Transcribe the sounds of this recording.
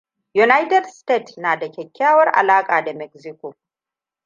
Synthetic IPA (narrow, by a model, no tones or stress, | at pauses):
junajt̪ɛd̪st̪et̪naːd̪ɐkʰekʰːjaːwɐɾɐ̰laːkʼaːd̪ɛmɛksiko